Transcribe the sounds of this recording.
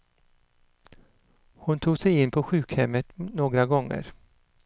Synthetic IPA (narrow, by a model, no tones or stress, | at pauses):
hʊnt̪ʰuːɡsɛjɪnːpʰɔɧʉ̟ːkhɛmːət̪noːɡɾaɡɔŋːə̰ɾ